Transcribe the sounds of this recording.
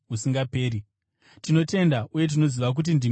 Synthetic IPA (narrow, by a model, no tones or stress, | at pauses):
usiŋɡape̞ːɾi | tino̞te̞ndauje̞t̬ino̞ziʋak̬ut̬indi